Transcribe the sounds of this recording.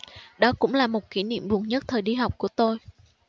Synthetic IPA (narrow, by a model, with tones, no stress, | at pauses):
ɗɔ˨˦kʊ̰˧˥ŋ͡mlaː˨˩mo˨˩t̚ki˧˦nḭ˧˨əmvu˨˩əŋɲə˦˥t̚t̪ʰəː˨˩ɗi˧ɦa˨˩wk͡p̚ku˧˩ət̪o˧j